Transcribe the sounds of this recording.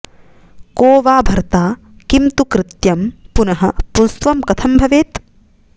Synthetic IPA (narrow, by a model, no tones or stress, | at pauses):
koːʋaːbʱɐɾt̪aː | kimt̪ukɾɪt̪jɐmpunɐɦɐpunst̪ʋɐmkɐt̪ʰɐmbʱɐʋeːt̪